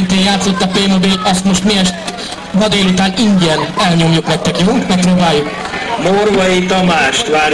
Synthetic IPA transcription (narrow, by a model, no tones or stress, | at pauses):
int̪eːnjaːt̪so̞t̪ːɒpeːmobeːlɒst̪mo̞ʃt̪miɛʃt̪ | ɦɒd̪eːlut̪aːniŋɡɛnɛlɲo̞mjuknɛk̚t̪ɛkjoɦoŋkmɛk̚pɾoːbaːjːuk | morʋɒit̪ɒmaːʃt̪ʋaːɾ